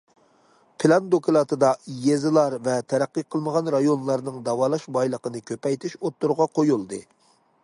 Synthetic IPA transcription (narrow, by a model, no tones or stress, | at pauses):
pʰɪlˠɑnd̪okʰɨlˠɑt̪ɨd̪ɑjezɨlˠɑɾvɛt̪ʰɛɾæqːiqʰəlˠməʁɑnɾɑjonlˠɑɾnɨŋd̪ɑwɑːlˠɑʃbɑjlˠəqənɨkʲʰøpɛjt̪ʰɪʃot̪ːuɾʁɑqʰojulˠd̪ɨ